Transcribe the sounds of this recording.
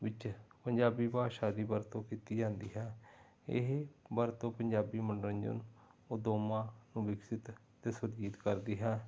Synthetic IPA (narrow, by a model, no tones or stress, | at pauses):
ʋɪt͡ʃpəɲd͡ʒaːbiːbaːʃaːd̪iːbəɾt̪õːkiːt̪iːd͡ʒãːnd̪iːɦɛː | ɪ̰ɦbəɾt̪õːpəɲd͡ʒaːbiːməɳɖəɾə̃ɲd͡ʒə̰noːd̪oːmãːnũːbɪksɪt̪ | t̪eːsʊɾd͡ʒiːt̪kəɾd̪iːɦɛː